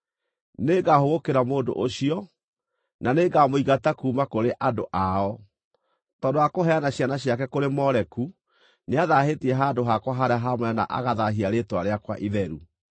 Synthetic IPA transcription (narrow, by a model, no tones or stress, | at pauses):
neɡahoɣokeɾamoːndo̰ʔoɕiɔ | naneɡamoiɣatakuːmakoɾeʔadoʔaɔ | tɔːndoakoɦɛanaɕjanaɕiakɛkoɾemɔɾɛku | neaðaɦetiɛɦaːdoɦakwaɦaɾaɦamwɛna̰ʔa̰ɣaðaɦiaɾetwaɾeakwa̰ʔiðɛɾu